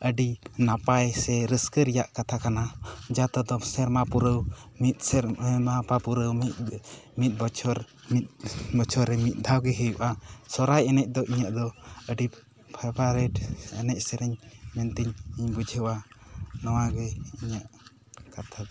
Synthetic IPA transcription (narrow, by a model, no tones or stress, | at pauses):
ʔəɖinapajsɛɾəskəɾɛjaʔkat̪ʰakanad͡ʒat̪ɔd̪ɔsɛɾmapuɾəwmit̪̚ɾmapapuɾəwmimit̪̚bɔt͡ʃʰɔɾ | it̪̚bɔt͡ʃʰɔɾɛmit̪̚ˀd̪ʱawɡɛɦəjuʔasɔɾajɛnɛc̚d̪ɔʔiɲaʔd̪ɔəɖi | pʰapaɾɛʈənɛc̚ˀsɛɾɛɲmɛnt̪iɲiɲbud͡ʒʱəwanɔwaɡɛiɲaʔ | kat̪ʰad̪ɔ